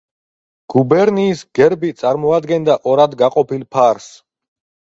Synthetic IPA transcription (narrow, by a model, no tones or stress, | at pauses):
ɡ̥ubɛɾniːsɡ̥ɛɾbit̪sʼaɾmɔad̪ɡɛnd̪aʔɔɾad̪ɡaqʼɔpilˠpʰaɾs